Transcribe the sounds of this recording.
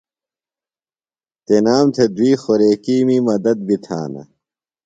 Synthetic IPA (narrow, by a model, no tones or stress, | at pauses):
t̪enaːmt̪ʰed̪wiːxoɾeːkiːmimɐd̪ɐd̪̚bit̪ʰa̰ːnɐ̰